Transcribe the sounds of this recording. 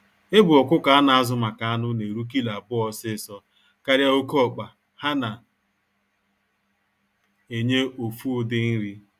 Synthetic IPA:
e˦bʊ˨ɔ˨kʷʊ˦ka˨a˦na˨a˦zʊ˨ma˨ka˨a˦nʊ˦ne˨ɾu˦k̬i˦la˨bʊ˦ɔ˦sɪ˦˨sɔ˦ | ka˦ɾja˦o˦kɔ˦˨k͡pa˨ | ha˦na˨ | e˨ɲe˦o˨fu˦dɪ˦n̩˦ɾi˦

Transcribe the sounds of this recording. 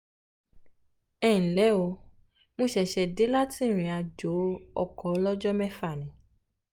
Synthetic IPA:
ɛ˦˨n̩˨lɛ˨˦wo˧ | mõ˧ʃɛ˨ʃɛ˧de˨˦la˦tĩ˦˨ɾ̃ĩ˨a˧d͡ʒo˨˦ɔ̰˦˨kɔ˨˦lɔ˦d͡ʒɔ˦mɛ̃˦fa˦˨nĩ˨˦

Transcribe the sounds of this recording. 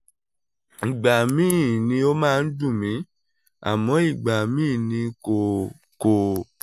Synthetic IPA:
i˨ɡ͡ba˨mĩː˦˨nĩ˧˦o˦mãː˦˧n̩˦dũ˦˨mĩ˨˦ | a̰˨mɔ̃˨˦i˦˨ɡ͡ba˨mĩː˦˨nĩ˧ko˨ | ko˨

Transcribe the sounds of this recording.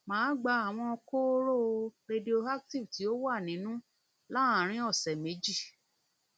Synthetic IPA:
mãː˨˦ɡ͡ba˧a˨w̃ɔ̃˧ɔ˧ko˦ɾo˦˨˧ɾe˧di˧o˧a˦k̚ti˦˨ti˨˦o˦wa˦˨nĩ˨˦nũ˦ | la˦ã˦˨ɾ̃ĩ˦ɔ˦˨sɛ˨me˨˦d͡ʒi˦˨

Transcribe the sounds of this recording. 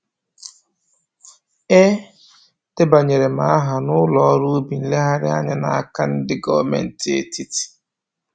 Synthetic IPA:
e˦ | te˦ba˨ɲe˨ɾe˨ma˨a˦ɦa˨nʊ˦lɔ˨ɔ˦ɾu˦bi˨n̩˦le˦ɦa˦ɾɪ˦a̰˦ɲa˦na̰˨a˦ka˦n̩˦dɪ˦ɡɔ˦˨mḛ˨n̩˨ti˦ḛ˦ti˦ti̥˨

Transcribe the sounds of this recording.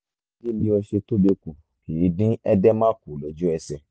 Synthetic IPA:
ɡi˦lĩ˨˦ɔ˧ʃe˧to˦be˦kũ˨ | i˨˦dĩ˦ɛ˦dɛ˦mã˦ku˨lo˨˦d͡ʒu˦ɛ˧sɛ˧

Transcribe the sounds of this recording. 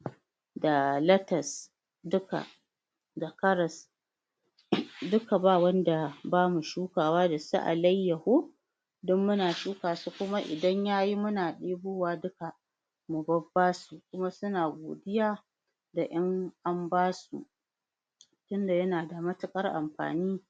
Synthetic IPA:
da˨lɐ˦tɐ˨s | dʊ˦ka̰˨ | da˨kɐ˦ɾɐ˨s | dʊ˦ka˨baː˦˨wɐ˦nda˨baː˦mu˨ʃuː˦kaː˨waː˦da˨sṵ˦ʔa̰˨lɐ˦jːɐ˨hoː˦ | dɔ˦mːʊ˦naː˨ʃuː˦kaː˨su˦kʷʊ˦ma˦ʔɪ̰˨dɐ˦ɲjaː˦ji˦mʊ˦naː˨ɗeː˦buː˦waː˦dʊ˦ka˨ | mʊ˨bɐ˦bːaː˦su˨kʷʊ˦ma˦sʊ˦naː˨ɡʷo̰ː˨dɪ˦jaː˦ | da˨ʔɐ˦ŋʔa˦mbaː˦sṵ˨ʔ | tʊ˦nda˨jɐ˦naː˨da˨mɐ˦tʊ˨kʼɐ˦rʔa̰˨mɸa̰ː˨niː˦

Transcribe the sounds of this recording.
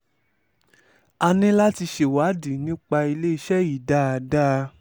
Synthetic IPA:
a˧nĩ˦la˦ti˧ʃe˨wa˨˦di˨˦nĩ˦k͡pa˧i˧le˦i˧ʃɛ˦i˨da˦˨a˨da˦˧

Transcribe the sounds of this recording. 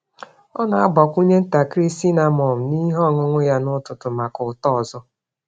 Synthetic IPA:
ɔ˦na˨a˦ɡ͡bɔ˨kʷu˦ɲe˦n̩˦ta˨kɾi˦si˦na˨mɔ˨m̩˨ni˦ɦɔ˦˨ŋʊ˦ŋʷʊ˦ja˦nʊ˦tʊ˨tʊ˨ma˨kʊ˨tɔ˦˨zɔ˦

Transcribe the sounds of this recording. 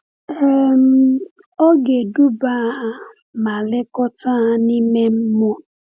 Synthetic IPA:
ɛ˨m̩˦ | o˦ɡe˨du˦ba˦˨ | ma˨lɪ˦kɔ˦ta˦˨ni˦me˦m̩˦mʊ˦

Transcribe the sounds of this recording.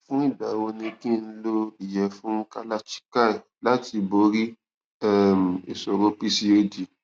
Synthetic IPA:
fũ˦i˦˨ba˨wo˧nĩ˧kĩ˦n̩˦lo˦i˦˨jɛ˨˦fũ˦ka˦la˦t͡ʃi̥˦ka˦ɛ˨ | la˨˦ti˧bo˧˦ɾi˦ | ɛ˦m̩˨e˨sɔ˨ɾo˧pi˧si˧e˧di˨

